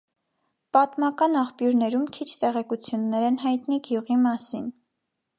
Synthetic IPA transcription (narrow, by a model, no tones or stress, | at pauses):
pɑt̪mɑkɑnɑχpjuɾnɛɾumkʰit͡ʃʰt̪ɛʁɛkut͡sʰjunːɛɾɛnɦɑjt̪niɡjuʁimɑsin